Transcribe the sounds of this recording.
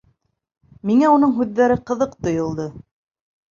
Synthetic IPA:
miŋæun̪ɤɴɦʉðːæɾɘqɤ̆ðɤqt̪ŏjŏlˠd̪ɤ

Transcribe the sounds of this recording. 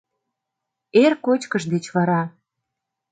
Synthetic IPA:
erkot͡ɕkəʃd̪et͡ɕβɑɾɑ

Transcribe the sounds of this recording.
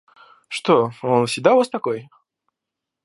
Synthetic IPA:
ʂt̪oonsʲɪɡ̚d̪aʊvast̪ɐkoj

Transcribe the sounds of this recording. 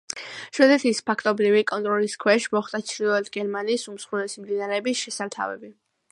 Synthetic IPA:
ʃwɛd̪ɛt̪ʰispʰakʰt̪ʼɔbɾivikʼɔnt̪ʼɾɔliskʰwɛʃmɔχd̪ʼat͡ʃʰɾilˠɔɛt̪ʰɡɛɾmaniːsumsχulɛsimd̪inaɾɛːbisʃɛsaɾt̪ʰa̰vɛ̰bi

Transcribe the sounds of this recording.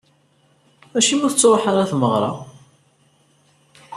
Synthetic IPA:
æʃimuθət͡sːɾˤoħaɾˤaθməʁɾˤɑ̰

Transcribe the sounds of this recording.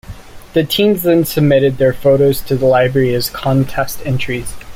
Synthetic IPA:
ðɨtʰĩmzðɨ̃nsɨb̚mɪɾɨd̪̚ðə˞foʊɾoʊz̥tʰɨðəlaɪbɹɛɹiɨz̥kʰɑ̃ntʰɛstɛ̃nt͡ʃɹ̥iz̥

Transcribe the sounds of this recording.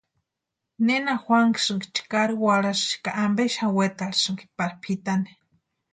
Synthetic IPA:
nenaxwʷaŋki̥sɨŋki̥t͡ʃi̥kaɾiwaɽasɨ̥ʃi̥kaʔambeʃawet̪alisɨŋki̥paɾpʰit̪ani̥

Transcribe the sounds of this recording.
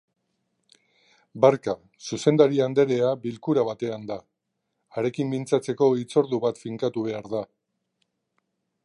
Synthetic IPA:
baɾka | suse̞nd̪aɾiand̪e̞ɾe̞abilkuɾaβat̪e̞and̪aː | ɾe̞kimbint͡sat͡se̞ko̞it͡so̞ɾðuβat̪fiŋkat̪uβe̞aɾða

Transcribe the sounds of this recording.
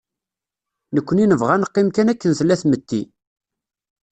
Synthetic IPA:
nəkʷːəninəvʁænəqːimkænækːənθlːæθmət̪ːi

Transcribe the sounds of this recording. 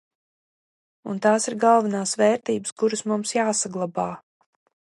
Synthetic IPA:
ṵnt̪aːsiɾɡɑlˠvanaːsvɛːɾt̪iːbə̥skuɾɨsmumsjaːsaɡlˠabaː

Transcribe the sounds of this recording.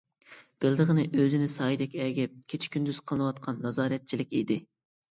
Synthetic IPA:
b̥ɪld̪əʁənɨʔøzɪnɪsɑːid̪ɛkʲɛːɡʲɛp̚kʲʰet͡ʃʰi̥kʲʰynd̪yz̥qʰəlˠɨnɨwɑt̪qʰɑnːɑzɑːɾɛt̪̚t͡ʃʰilɪkʲid̪ɪ

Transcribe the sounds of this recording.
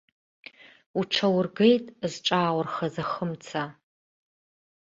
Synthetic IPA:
uʈ͡ʂʰɐwʊrɡejtʼzʈ͡ʂʼaːwʊrχɐzɐχəmt͡sʰa

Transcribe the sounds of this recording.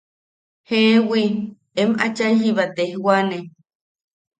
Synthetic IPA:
hewi | emʔat͡ʃajɦiβat̪ehwane

